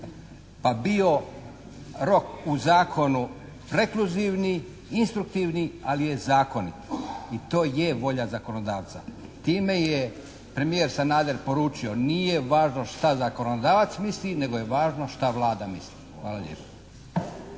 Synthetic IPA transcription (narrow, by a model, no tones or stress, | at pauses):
pabio̞ | ɾo̞kuzaːkʰo̞nu | pɾe̞kluziʋni | inst̪ɾukt̪iʋnialije̞zaːko̞nḭt̪it̪oːje̞ʋo̞ʎazako̞nod̪aːʋt̪sa̰ | t̪iːme̞je | pɾe̞mijeɾsanaːd̪eɾpo̞ɾuːt͡ʃio̞nije̞ʋaːʒno̞ʃt̪azako̞nood̪aːʋat̪smisline̞ɡojeʋaːʒno̞ʃt̪aʋlˠaːd̪amislixʋaːlaʎḛpo̥